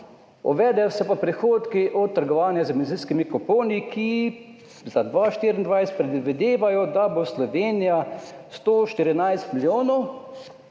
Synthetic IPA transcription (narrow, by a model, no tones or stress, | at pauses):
ɔ̰ʋɛːd̪ɛjɔsɛpapɾɛxoːt̪kiʔɔt̪ːəɾɡɔʋaːnjazəɡmɛnziːskimikɔpoːnikʰi | zad̪ʋaːʃt̪iːɾind̪ʋajsɛt̪pɾɛd̪ʋid̪eːʋajɔd̪aboslɔʋeːnijast̪oːʃt̪iɾinajst̪miljoːnɔw